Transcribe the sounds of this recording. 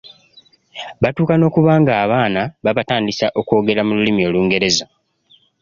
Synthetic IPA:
βatuːkano̞ːkuβaːŋɡaːβaːnaβaβataːndisaʔo̞ko̞ːɡe̞ɾamululimio̞ːluːŋɡe̞ɾe̞za

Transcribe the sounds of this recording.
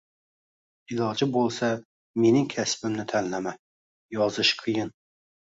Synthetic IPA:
ilˠɒd͡ʒɪbolˠsa | menɪŋkʲʰæsbɪmnɪt̪ʰænlæmæ | jɒzɨʃqʰɨjɪn

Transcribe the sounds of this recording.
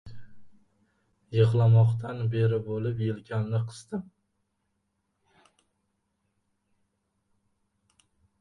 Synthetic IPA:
jɨʁlˠamɒqt̪ʰanbe̞ɾɪbolɪpjelkʲʰanːɪqʰɨ̥z̥d̪ɪm

